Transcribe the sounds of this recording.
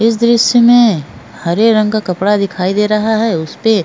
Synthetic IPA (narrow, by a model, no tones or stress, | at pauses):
ɪs̬d̪ɾɪʃjəmẽ | hɐɾeɾɐ̃ŋɡkakɐpɽad̪ɪkʰaːid̪eːɾɐɦaɦɛʊspe